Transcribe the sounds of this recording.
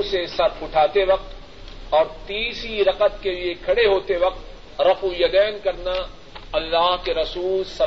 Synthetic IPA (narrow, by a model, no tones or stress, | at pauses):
sesɐɾfʊʈʰaːt̪eʋɐq̚t̪ | ɔːɾt̪iːsiɾɐqət̪keliekʰɐɽeɦoːt̪eʋɐq̚t̪ | ɾɐfujɐd̪ɛːnkɐɾna | ɐlːaːɦkeɾɐsuːlsɐ